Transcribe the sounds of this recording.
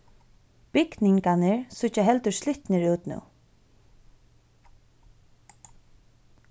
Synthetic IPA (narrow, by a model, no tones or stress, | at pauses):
pɪknɪŋkanɪɹsʊht͡ʃːaɦɛlt̪ʏɹslɪht̪nɪɹuːt̪nṵw